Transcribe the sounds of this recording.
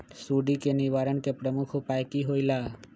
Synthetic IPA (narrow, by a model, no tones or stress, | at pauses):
suɖikeniʋaɾəɳkepɾəmukʰʊpajkiɦojla